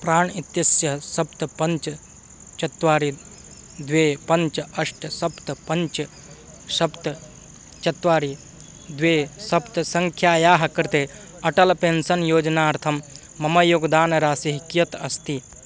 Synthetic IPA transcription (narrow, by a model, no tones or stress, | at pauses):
pɾaːɳit̪jɐsjɐsɐpt̪pɐɲt͡ʃɐ | t͡ʃɐt̪ʋaːɾi | d̪ʋeːpɐɲt͡ʃɐʂʈsɐpt̪ɐpɐnt͡ʃɐ | sɐpt̪ | t͡ʃɐt̪ʋaːɾi | d̪ʋeːsɐpt̪sɐŋkʰjaːjaːɦɐkɐɾt̪e | ɐʈɐlpeːnsɐnjoːd͡ʒnaːɐɾt̪ʰɐmː | ɐmɐjoːɡd̪aːnɾaːsɐɦikjɐt̪ɐst̪i